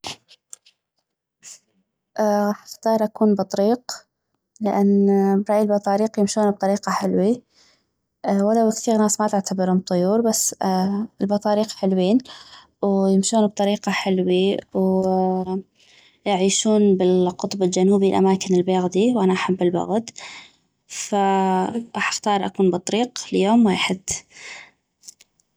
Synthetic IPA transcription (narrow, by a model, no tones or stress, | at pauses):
ʔħḁxt̪ɑːɾˤʔakuːnbɨt̪ˤɾiːq | lɪʔanːbɾˤɑːʔjɪlbɑt̪ˤɑːɾiːqjɪmʃuːnb̚t̪ˤɑɾiːqɑħɪlwi | walawɪkθiːɣnaːsmat̪ɪʕt̪abɪɾhʊm̚t̪ˤʊjuːɾbasː | ɪlbɑt̪ˤɑːɾiːqħɪlwiːn | wjɪmʃuːnb̚t̪ˤɑɾiːqɑħɪlwiw | jɪʕiːʃuːnbɪlqʊt̪ˤbɪld͡ʒanuːbilʔa̰maːkɪnɪlbeːɣd̪iwʔanaʔaħabːɪlbʊ̰ɣd̪ | faʔaħaxt̪ɑːɾˤʔakuːnbɨt̪ˤɑɾiːqljoːmweːħɪd̪̥